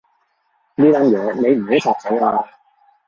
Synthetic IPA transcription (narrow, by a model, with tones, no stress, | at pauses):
niː˥t̪aː˥njɛː˨˧ne˨˧jm̩˨˩ho˨˥wt͡sʰɔː˧k̚sɐ˨˥jaː˧